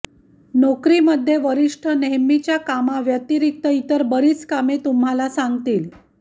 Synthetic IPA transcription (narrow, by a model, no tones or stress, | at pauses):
nokɾiːməd̪ʱːjeʋəɾiʂʈʰəneɦmit͡ɕjakamaʋjət̪iɾik̚t̪əit̪əɾbəɾiːt͡skamet̪umɦalasaŋɡt̪iːl